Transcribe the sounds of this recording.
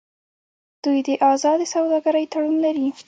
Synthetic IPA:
d̪̥ujd̪əʔɑzɑd̪əsawd̪ɑɡaɾəjt̪aɽunlaɾi

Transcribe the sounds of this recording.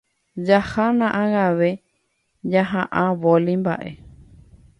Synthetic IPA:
d͡ʒahanãʔãŋaʋe | d͡ʒaɦãʔãʋolimba̰ʔḛ

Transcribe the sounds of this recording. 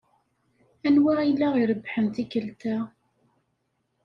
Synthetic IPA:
ænwæilːæʁiɾəbːħəmt̪ikəlt̪æ

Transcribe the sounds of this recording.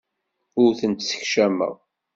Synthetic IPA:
ʊɾθənt̪sə̥çʃæmːə̰ʁ

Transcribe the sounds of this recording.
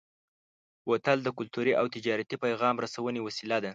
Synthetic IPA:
wat̪ald̪əkʊlt̪uɾiʔawt̪ɪd͡ʒɑɾat̪ipajɣɑmɾasawənewasilad̪a

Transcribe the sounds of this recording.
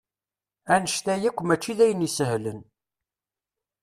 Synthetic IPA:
ænəʃt̪æjækʷːmæt͡ʃːiðæjənisəhlən

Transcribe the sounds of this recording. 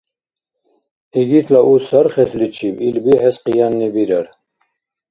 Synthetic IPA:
iɡit̪ʰlaʔusaɾχɛslit͡ʃʰibilbihɛsqijɑnːibiɾəɾ

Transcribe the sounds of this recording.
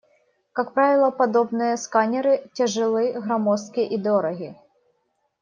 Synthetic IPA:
kak̚pɾavʲɪlˠəpɐd̪obnɨjəskanʲɪɾɨtʲəʐɨlˠɨɣɾɐmoskʲɪʔid̪oɾɐɣʲɪ

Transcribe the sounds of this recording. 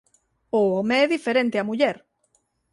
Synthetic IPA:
ʊomeɛðifeɾẽnt̪eɐmuʎɛɾ

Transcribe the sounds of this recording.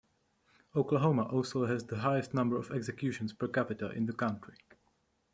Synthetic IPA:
oʊkləɦoʊmaʔɔlˠsoʊɦɛzðəɦaɪəstnʌ̃mbə˞ɔvɛɡzɛkjʉːʃə̃nspə˞kæpɪtəlʔɪ̰̃nðəkãntɹi

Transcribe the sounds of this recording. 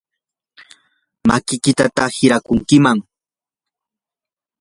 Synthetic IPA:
makɪkɪt̪at̪ahɪɾakʊŋkɪmaŋ

